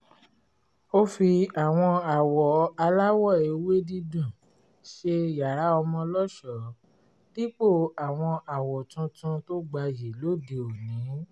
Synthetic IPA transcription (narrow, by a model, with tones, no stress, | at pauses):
o˦fi˧a˨w̃ɔ̃˧a˨wɔ˨a˧la˦wɔ˦˨e˨we˦dĩ˦dũ˦˨ | ʃe˧ja˨ɾa˨˦ɔ˧mɔ̃˧lɔ˦ʃɔ˨˦ | di˦k͡po˦˨a˨w̃ɔ̃˧a˨wɔ˨tũ˧tũ˧to˦ɡ͡ba˧ji˨lo˦˨de˨o˨nĩ˨˦